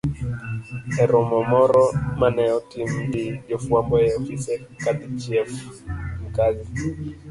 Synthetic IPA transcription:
hɛɾɔmɔmɔɾɔmanɛɔtim̩ɡiʄɔfuambɔjɛɔfisɛkat̪it͡ʃiɛfm̩kazi

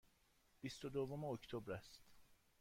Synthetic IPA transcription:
b̥ist̪od̪ovːomeoct̪ʰobɾæst̪

